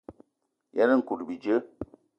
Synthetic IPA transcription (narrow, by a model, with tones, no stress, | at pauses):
jɛ˦nə˦ŋ̩˨ku˨dbi˨d͡ʒə˦